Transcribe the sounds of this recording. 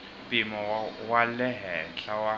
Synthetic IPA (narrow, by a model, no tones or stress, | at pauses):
pʼɪmɔwalɛɦɛɬawa